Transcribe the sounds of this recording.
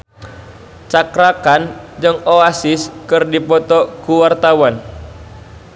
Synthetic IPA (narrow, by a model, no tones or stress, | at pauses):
t͡ʃakɾakand͡ʒəŋoasɪskɨrdipɔt̪ɔkuwart̪awan